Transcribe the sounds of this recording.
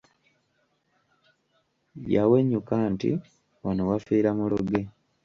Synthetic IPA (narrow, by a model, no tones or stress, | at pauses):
jaweɲːukaːntḭ | wanowafiːɾamuloɡe̞